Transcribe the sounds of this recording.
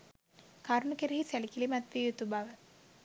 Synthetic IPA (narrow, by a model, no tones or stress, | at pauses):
kaɾnukeɾiɦisælikilimat̪ʋijut̪ubaʋə